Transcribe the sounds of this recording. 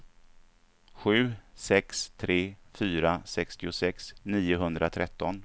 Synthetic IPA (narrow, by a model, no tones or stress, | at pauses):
ɧʉ̟ːsɛkst̪ʰɾeːfyːɾasɛkst̪ɪʊsɛksniːjʊɦɵnd̪ɾat̪ʰɾɛt̪ːɔn